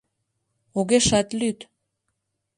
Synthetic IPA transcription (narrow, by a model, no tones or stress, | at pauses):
oɣeʃat̪lyt̪